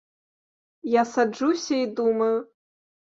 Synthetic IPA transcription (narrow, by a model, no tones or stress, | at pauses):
jasad͡ʐusʲɐid̪umɐju